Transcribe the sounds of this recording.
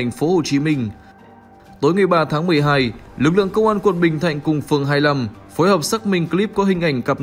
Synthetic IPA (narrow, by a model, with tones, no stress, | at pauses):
a˨˩jŋ̟fo˨˦ho˨˩t͡ɕi˨˦mï˧ŋ̟ | t̪o˨˦jŋa˨˩jɓaː˧t̪ʰaː˨˦ŋmɨ˨˩əjɦaː˧jlɨ˨˩k̚lɨ̰˧˨əŋkə˧wŋ͡mʔaː˧nkwə˨˩nɓï˨˩ŋ̟t̪ʰa̰˧˨jŋ̟kʊ˨˩ŋ͡mfɨ˨˩əŋɦaː˧jla˧mfo˨˦jhəː˨˩p̚sa˦˥k̚mï˧˩ŋ̟kli˦˥p̚kɔ˨˦ɦï˨˩ŋ̟ʔa˧˩jŋ̟ka˨˩p̚